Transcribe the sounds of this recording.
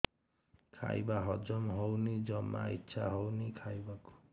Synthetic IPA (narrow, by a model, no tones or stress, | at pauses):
kʰa̰jbaɦɔd͡ʒɔmɦownid͡ʒɔma̰ḭtːʃʰaɦɔwnikʰajbaku̥